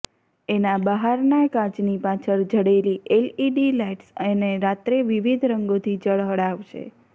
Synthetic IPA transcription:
enabəɦaɾnakad͡ʒnipat͡ʃʰəɾd͡ʒʱəɽeliʔeliɖilajʈseneɾat̪ɾeʋiʋid̪ʱɾəŋɡot̪ʰid͡ʒəɭɦəɽaʋʃʰḛ

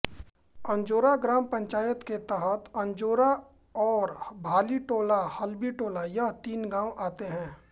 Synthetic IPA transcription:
ɐ̃ɲd͡ʒoːɾaɡɾaːmpə̃ɲt͡ʃaːjət̪ket̪aɦət̪ɐ̃ɲd͡ʒoːɾa | ɔːɾbʱaːliʈoːlahɐlbiʈoːlajat̪iːnɡãːwʔaːt̪eɦɛ̃ː

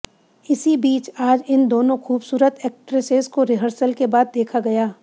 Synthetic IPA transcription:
ɪsibiːt͡ʃaːd͡ʒɪnd̪oːnõxuːbsuːɾət̪ɛːk̚ʈɾeseːskoɾɪɦəɾsəlkebaːd̪̚ːeːkʰaɡɐjaː

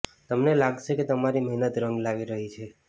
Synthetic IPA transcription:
t̪əmnelaɡʃeket̪əmaɾiməɦinət̪ɾəŋɡlaʋiɾəɦit͡ʃʰe

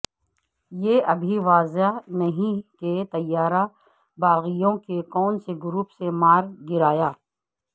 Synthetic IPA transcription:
jeʔɐbʱiʋaːzanɐɦĩket̪ɐjːaːɾa | baːɣijõkekɔːnseɡʊɾuːpsemaːɾɡɪɾaːjaː

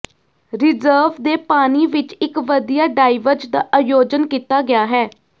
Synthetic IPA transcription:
ɾɪzəːʋd̪eːpaːniːʋɪt͡ʃɪkʋəd̪ijaːɖaːɪʋəɾd͡ʒd̪aːʔajoːd͡ʒənkiːt̪aːɡɪjaːɦɛː

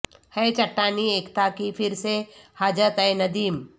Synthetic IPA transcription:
hɛet͡ʃɐʈːaːnieːkt̪akifʰɪɾsehaːd͡ʒət̪ɐjnɐd̪iːm

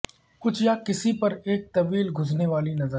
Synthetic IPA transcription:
kʊt͡ʃʰjakɪsipɐɾeːk̚t̪ɐʋiːlɡʱʊzneʋaːlinɐzə

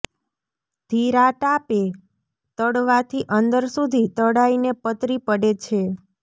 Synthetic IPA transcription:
d̪ʱiɾaʈape | t̪əɽʋat̪ʰiʔənd̪əɾsud̪ʱit̪əɽainepət̪ɾipəɽet͡ʃʰe

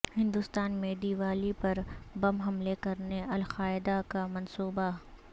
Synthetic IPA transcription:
hɪ̃nd̪ʊst̪aːnmẽːd̪iːʋaːlipɐɾbɐmɦɐmlekɐɾneʔɐlqaːɪd̪akamɐnsuːba

